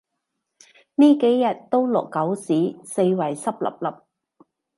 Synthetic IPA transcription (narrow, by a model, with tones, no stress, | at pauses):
niː˥ke˨˥jːɐ˨˩t̚t̪o˥wlɔ̰˨kːɐ˨˥wsiː˨˥se˧jwɐ˨˩jsɐ˥p̚lɐ̰˨˩p̚lɐ˨˩p̚